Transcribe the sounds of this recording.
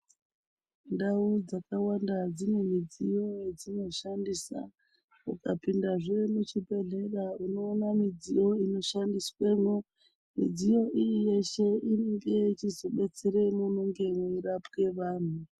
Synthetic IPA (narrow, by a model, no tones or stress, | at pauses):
ndaud͡zakawandad͡zine̞mid͡zijo̞jed͡zino̞ʃandisa̰ | ṵkapindaʐemut͡ʃibʱe̞ɮe̞rauno̞ːnamid͡zijo̞ino̞ʃandiswe̞no | mid͡zijo̞ʔijije̞ʃe̞ineŋɡe̞t͡ʃizo̞ɓe̞t͡seɾe̞munoŋɡe̞mweiɾapke̞ʋaːn̤u